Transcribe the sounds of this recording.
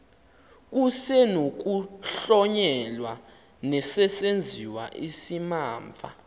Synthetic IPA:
k̬usɛnok̬uɬɔɲɛlwa | nɛsɛsend͡zʱiwa̰ʔisimaːɱvʱa̰

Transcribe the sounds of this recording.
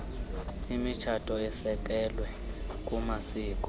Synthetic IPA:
imit͡ʃʰatʼɔisɛk̬ʼɛlwɛ | kʼumasiːkʼɔ̥

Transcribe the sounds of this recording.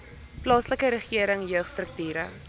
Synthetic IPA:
plɑːsləkəɾəχiəɾəŋjœχstrək̚tyːɾə

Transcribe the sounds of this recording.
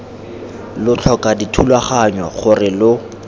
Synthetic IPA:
lʊt͡ɬʰɔkaditʰulwaχaɲwaχʊrɪlʊ

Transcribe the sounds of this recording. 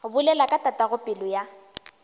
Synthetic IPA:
bʊlɛlakʼatʼatʼaɣʊpʼɪlʊja

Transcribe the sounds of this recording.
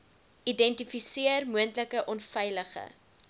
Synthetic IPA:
idɛntifisiərmuəntləkəʔɔnfɛjləχə̰

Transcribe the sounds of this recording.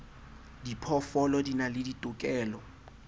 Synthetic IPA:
dipʰɔfɔlɔdinalɪditʼʊkʼɛːlɔ

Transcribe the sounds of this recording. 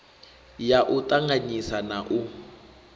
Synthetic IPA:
jaʔʊtʼaŋaɲisanaʔʊ

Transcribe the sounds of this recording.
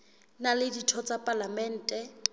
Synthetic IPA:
nalɪditʰɔt͡sʼapʼalamɛn̩ːtʼɛ

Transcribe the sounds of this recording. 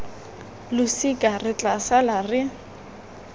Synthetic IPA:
lʊsikʼarɪt͡ɬʼasalarɪ

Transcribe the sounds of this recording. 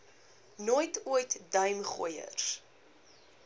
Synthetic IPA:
nujtujtdɐjmχṵjə̰rs

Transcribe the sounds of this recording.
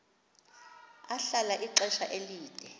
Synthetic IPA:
aɬalaʔiǁɛʃaʔeliːd̥ʼʱɛ

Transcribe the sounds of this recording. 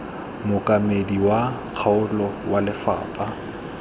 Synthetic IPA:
mʊkʼamediwa | k͡xʰaʊlɔwalɪfa̰ːpʼa

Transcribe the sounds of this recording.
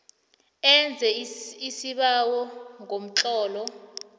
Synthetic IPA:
ɛnd͡zʱɛisiɓawɔŋʱom̩ǁɔːlɔ

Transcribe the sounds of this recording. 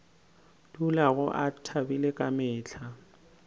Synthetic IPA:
dulaɣʊʔatʰabilekʼamɪːt͡ɬʰa

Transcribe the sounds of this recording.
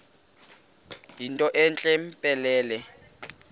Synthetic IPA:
ɦintʼɔʔɛnt͡ɬʼɛm̩pʼɛlɛːlɛ

